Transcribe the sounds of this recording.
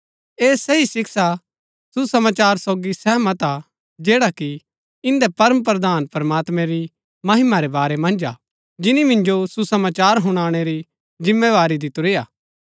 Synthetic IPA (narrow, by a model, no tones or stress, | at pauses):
eːsɛɦisɪksa | susɐmaːt͡ʃaːɾsoːɡisɛːmɐt̪a | d͡ʒeːɽaki | ɪ̃nd̪ɛpɐɾəməpɾɐd̪aːnpɐɾɐmaːt̪mɛ̃ɾi | mɐɦɪmaɾebaːɾemɐ̃nd͡ʒa | d͡ʒɪnimɪ̃nd͡ʒosusɐmaːt͡ʃaːɾɦʊɽ̃aːɽ̃eɾi | d͡ʒɪ̃mːeʋaːɾid̪ɪt̪uɾeːjaː